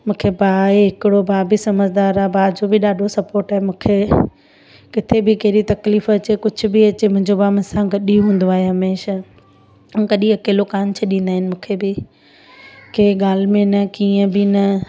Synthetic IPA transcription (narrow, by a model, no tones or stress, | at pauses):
mũːkʰebʱaːɦeɦɪkɪɽobʱaːbɪsɐməzʱd̪aːɾaːbʱaːd͡ʑobɪɗaːɖʱosɐpoːɾʈaːɦemũːkʰe | kɪt̪ʰebɪkɐɦɾit̪ɐkliːfɐt͡ɕekʊd͡ʑʱʊ̆bɪɐt͡ɕemʊ̃ɦɪ̃ɲd͡ʑobaːmʊ̃sãɡɐɗiũɦũːn̆d̪oaːɦeɦɐmeːʃa | kɐɗĩɐkeːlokaːnt͡ɕʰɐɗĩːn̆d̪aːɦɪnɪ̆mũːkʰebɪ | keɠaːl̤mẽnɐkiːə̃bɪnɐ